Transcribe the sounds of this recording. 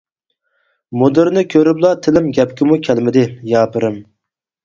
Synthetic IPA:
mod̪ɨɾnɪkʲʰøɾyblˠɑt̪ʰɪlɪmɡʲɛpkʲɪmukʲʰɛlmɪd̪ɪjɑːpɨɾɨm

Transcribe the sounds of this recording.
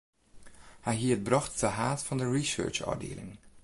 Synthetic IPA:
hɛjɦiət̚brɑxtdəɦaːtfɑndəɹisø̰ːɹt͡ʃɔ̰dḛːlɪ̰ŋ

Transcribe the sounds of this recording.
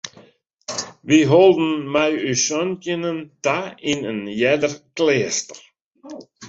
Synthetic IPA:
ʋiɦɔlˠdn̩mɛjysɔncjənəntainənjɛdərkleːstər

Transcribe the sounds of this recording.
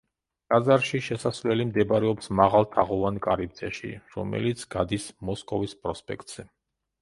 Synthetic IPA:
ɡ̥ʼazaɾʃiʃɛsasvlɛlimd̪ɛbɾɛɔpsmaʁalˠt̪ʰaʁɔvankʼaɾib̚d̪zʼɛʃḭɾɔ̰mɛ̰lit̪sʰɡad̪ismɔskʼɔvispʼɾɔspʼɛ̰kt̪ʼz̥ɛ

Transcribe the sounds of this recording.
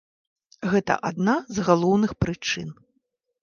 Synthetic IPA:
ɣɛt̪ɐ̰ʔad̪nazɣalˠɔwnɨxpɾɨt͡ʂɨn

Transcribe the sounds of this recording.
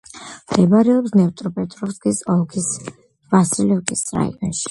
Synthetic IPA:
md̪ɛbaɾɛɔpsnɛvt̪ʼɾɔpʼɛt̪ʼɾɔvsɡisɔlˠɡis | v̥asilɔɡisɾa̰ḭɔ̰nʃi̥

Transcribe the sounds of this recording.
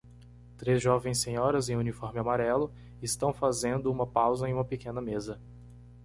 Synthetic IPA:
t̪ɾezʒɔvẽj̃sːẽɲɔɾɐzẽj̃ũnifɔɾmɪamaɾɛlʊ | ɪst̪ɐ̃w̃fazẽnd̪ʊũmɐpawzɐẽj̃ũmɐpekẽnɐmezɐ

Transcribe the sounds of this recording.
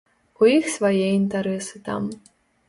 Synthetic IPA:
uixsvajɛint̪ɐɾɛsɨt̪a̰m

